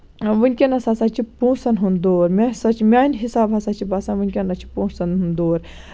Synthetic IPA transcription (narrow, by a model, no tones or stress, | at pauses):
ʋunʲkʲenɐsasat͡ʃʰipũːsɐnɦund̪oːɾmʲasɐt͡ʃʰimʲaːnɦisaːbɦɐsat͡ʃʰibasãːnʋunʲkʲenɐt͡ʃʰi̥pũːsɐnɦũnd̪oːɾ